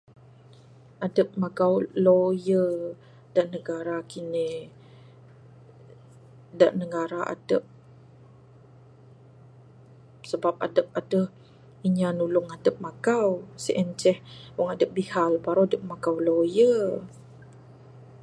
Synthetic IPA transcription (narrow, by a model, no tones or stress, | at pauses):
ʔadəp̚maɡawlojə | d̥aʔnəɡaɾakine | da̰ʔnəɡaɾaʔa̰dəp̚ | səbap̚a̰dəp̚adəh | iɲanulʊŋadəp̚maɡawsiʔɛnt͡ʃɛhbɔŋadəp̚bihalpaɾoadəp̚maɡawlojə